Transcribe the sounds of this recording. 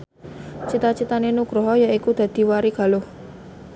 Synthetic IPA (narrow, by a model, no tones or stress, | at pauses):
t͡ʃit̪at͡ʃit̪anenuɡ̥ɾɔɦɔjaikud̪̥a̤d̪̥i̤waɾiɡ̥a̤lʊh